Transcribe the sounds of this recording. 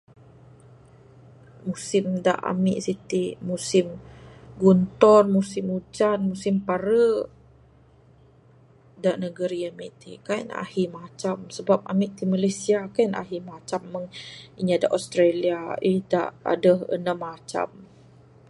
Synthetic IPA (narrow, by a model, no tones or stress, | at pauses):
musɪmda̰ʔa̰mḭʔsit̪imusɪmɡunt̪ɔnmusɪmut͡ʃanmusɪmpaɾə | daʔnəɡəɾiamiʔt̪ikajna̰himat͡ʃamsəbap̚a̰miʔt̪imalajsiakana̰ɦimat͡ʃamːəŋiɲiadaʔost̪ɾeliaida̰ʔa̰dəhə̰namat͡ʃa̰m